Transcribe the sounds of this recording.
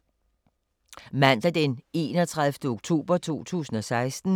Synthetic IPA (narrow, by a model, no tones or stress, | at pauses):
mæn̰d̥æd̥ene̝̰ːnɒ̽t͡sʰʁaðˠfd̥əoɡ̥̚t͡sʰo̝̰ːb̥ɐt͡sʰo̝̰ːt͡sʰṵːsn̩ɒ̽sɑ̈ɪsd̥n̩